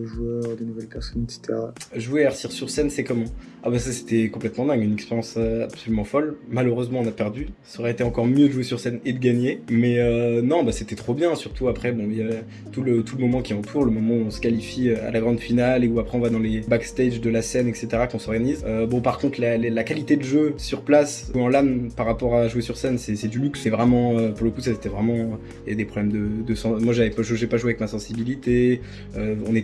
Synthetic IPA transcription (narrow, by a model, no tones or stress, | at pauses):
əʒwœʁd̪enuvɛlpɛʁsɔnɛkse̥t̪ʰeʁaʒueaʁsiʁsyʁsɛnsɛkɔmɑ̃ | a̰basase̥t̪ɛkɔ̃plɛt̪mɑ̃d̪ɛ̃ɡynɛkspeʁjɑ̃søabsolymɑ̃fɔlmaløʁøzmɑ̃ɔ̃napɛʁd̪ysɔʁɛet̪eɑ̃kɔʁmjød̪əʒuesyʁsɛned̪əɡaɲemɛønɔ̃baset̪ɛt̪χobjɛ̃syʁt̪ʰuapχɛbɔ̃ja | t̪ulət̪uləmɔmɑ̃kʲiɑ̃t̪ʰuʁləmɔmɑ̃uɔ̃sə̥kalifiøa̰laɡʁɑ̃d̪finaleuapχɛɔ̃vad̪ɑ̃lebakst̪ɛʒd̪əlasɛnɛkset̪eʁakɔ̃sɔʁɡanizøbɔ̃paʁkɔ̃t̪χlallakalit̪ed̪əʒøsyʁplasɑ̃lanpaʁapɔʁaʒuesyʁsɛnsɛsɛd̪ylyksɛvʁɛmɑ̃øpuʁləkusaet̪ɛvʁɛmɑ̃ | javɛd̪epχɔblɛmd̪əd̪əsɑ̃mwaʒavɛpʒəʒɛpaʒweavɛkmasɑ̃sibilit̪e | øɔ̃nɛ